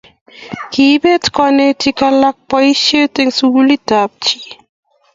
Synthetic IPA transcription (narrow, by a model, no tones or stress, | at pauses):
kibet̪kɔnetʰikalak̚pɔjʃet̪eŋsuːlit̪ap̚t͡ʃʰi